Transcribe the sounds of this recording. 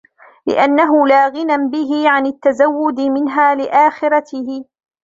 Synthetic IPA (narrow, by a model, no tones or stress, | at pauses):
lɪ̰ʔanːaɦʊlaːɣɪnanbɪɦɪʕanat̪ːazawːʊd̪ɪmɪnɦaːlɪʔaːxɪɾat̪ɪhɪ